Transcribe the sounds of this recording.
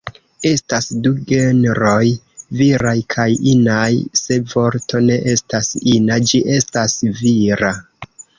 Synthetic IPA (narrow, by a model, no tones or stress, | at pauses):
e̞stasduɡe̞nɾo̞j | viɾajkʰajinajse̞vo̞ɾto̞ne̞ʔe̞stasinad͡ʒiʔe̞stasviɾa